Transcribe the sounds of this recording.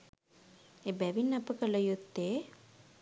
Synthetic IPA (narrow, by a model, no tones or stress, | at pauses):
ebæʋinːɐpəkələjut̪ːe